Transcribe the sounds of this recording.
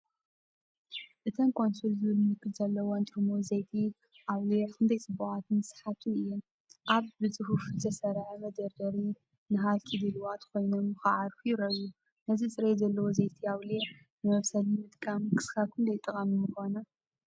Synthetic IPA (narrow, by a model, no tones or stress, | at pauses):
ʔɨt̪ʰɐmkʰo̞nsulzɨβɨlmɨkːɨlzɐlːɐwont̪ʼɾmozejt̪ʰi | ʔaβlijɛkʰɨnd̪ʰɐjt͡sʼɨbuʕat̪ʰɨnɨsħat̪ʰɨɨjːɛm | ʔaβbɨzʼɨhufzɐsɐɾʕɐmɐd̪ɐɾd̪ɐɾi | nɨɦalkʰid̪ɨlwat̪ʰko̞jnomxɨʕaɾfujɪɾɐzu | nɐzit͡sʼɨɾejzɐlːɐwozejt̪ʰiaβlie | nɨmɐβsɐlimɨt̪ʼkʼamkʰɨ̥skʰakʰɨnd̪ɐjt̪ʼːɐkʼɐmimɨxo̞nɐ